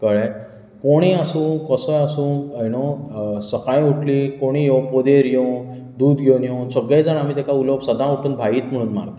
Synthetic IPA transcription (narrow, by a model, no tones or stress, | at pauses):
kəɭẽ | koɽ̃iːasũːnkəsəjasũːnajnosəkãjuʈʰliːkoɽ̃ijõpod̪eɾjo | d̪uːd̪ɡʱewnjowsəɡejd͡zənam̤iːt̪ekauləbsəd̪ãuʈuːnbʱaiːt̪m̤əɽ̃uːnma̰ɾt̪a